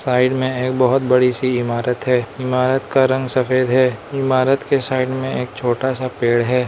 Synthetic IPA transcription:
saːɪɖmẽeːk̚bɐɦʊt̪̚bɐɽisiɪmaːɾət̪ɦɛːɪmaːɾət̪kaɾɐ̃ŋɡsɐfeːd̪ɦɛːɪmaːɾət̪kesaːɪɖmẽeːk̚t͡ʃʰoːʈasapeːɽɦɛː

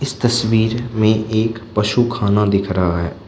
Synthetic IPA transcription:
ɪst̪ɐswiːɾmẽʔeːkpɐʃukʰaːnad̪ɪkʰɾaɦaɦɛ̰ː

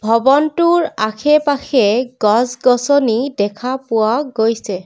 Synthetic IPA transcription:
bʱɔbɔntʊɹakʰɛpaxʰɛɡɔzɡɔsɔnidɛkʰapʊwaɡojsɛ

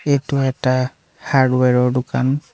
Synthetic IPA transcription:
etʊɛta | haɹdwɛɹɔɹdʊkan

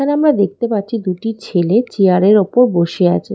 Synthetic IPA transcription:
aneamɾad̪ek̚t̪epat̪ːɕʰid̪uʈit͡ɕʰelet͡ɕiaɾeɾopoɾboʃea̰t͡ɕʰe

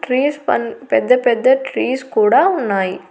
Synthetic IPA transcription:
ʈɾiːspɐnpɛd̪ːɐpɛd̪ːɐʈɾiːskuːɽaːʊnːaːj

